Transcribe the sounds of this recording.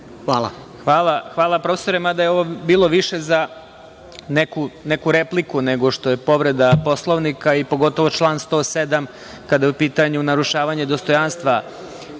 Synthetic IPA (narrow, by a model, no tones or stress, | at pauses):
a | xʋaːlˠaxʋaːlˠapɾofeso̞ɾemad̪ajeoʋobiːlˠo̞ʋiʃe̞za | nekune̞kuɾe̞plikune̞ɡo̞ʃt̪o̞je̞po̞ʋɾe̞d̪apo̞slˠoʋnikaipo̞ɡo̞t̪o̞ʋo̞t͡ʃlˠaːnst̪o̞ːsed̪am | kad̪ajeupiːt̪aɲunaɾuʃaːʋaɲe̞d̪o̞st̪o̞janst̪ʋa